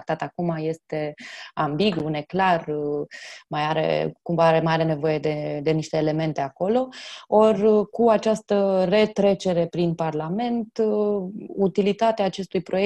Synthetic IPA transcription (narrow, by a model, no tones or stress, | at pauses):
k̚t̪at̪akumaje̞st̪e̞ambiɡune̞klar | majaɾḛkumvaɾemajaɾe̞ne̞vo̞je̞d̪e̞d̪e̞niʃt̪e̞ːle̞me̞nt̪eako̞lo̞o̞rkuat͡ʃast̪əre̞t̪ɾe̞t͡ʃe̞ɾe̞pɾinparlame̞nt̪ | ut̪ilit̪at̪eaːt͡ʃe̞st̪ujpɾo̞je